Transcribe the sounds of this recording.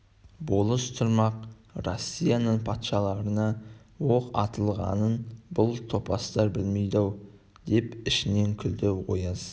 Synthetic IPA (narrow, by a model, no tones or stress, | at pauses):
bo̞lˠəst̪ʰʊɾmɑq | rosʲːijɑnəɴpʰɑt̪ʃɑlˠɑɾənɑ | wo̞qɑ̰t̪əlˠʁɑ̰nənbʊlˠt̪ʰo̞pɑst̪ɑɾbɪlmejd̪ɑw | d̪̥e̞pɪʃɪne̞ŋkʲʰʏld̪ewo̰jz̥